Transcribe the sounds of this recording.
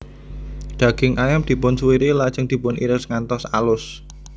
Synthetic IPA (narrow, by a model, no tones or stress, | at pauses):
ɖ̪̥ä̤ɡ̥ɪŋʔajamd̪̥i̤pʊnsuiɾilad̥ʒ̥əŋd̪̥i̤pʊnḭɾɪsŋant̪ɔsalʊs